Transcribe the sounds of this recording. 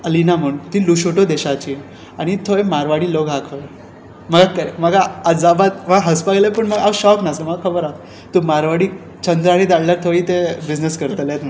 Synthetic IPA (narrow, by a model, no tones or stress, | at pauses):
əlinaməɳt̪iːluɕoʈod̪eɕat͡ɕiː | aɽ̃it̪ʰojmaɾʋaɽiːloɡakʰə | məɡakəməɡaːd͡zabat̪məɡɦəspaɡləpəɳməɡawɕɔknasəməɡakʰəbəɾa | t̪umaɾʋaɽiː | t͡ɕʰənd̪ɾaɽid͡z̪aɽljaɾt̪ʰoiːt̪ebid͡ʑneskəɾt̪let̪na